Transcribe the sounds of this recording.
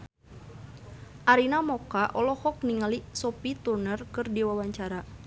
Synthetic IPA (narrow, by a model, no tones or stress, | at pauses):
ʔaɾinamɔkaʔɔlɔhɔk̚niŋalisɔpit̪urnərkɨrdiwawaɲt͡ʃaɾa